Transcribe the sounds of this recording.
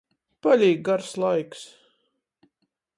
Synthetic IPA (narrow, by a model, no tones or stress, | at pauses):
palʲiːɡ̚ɡaɾslˠajks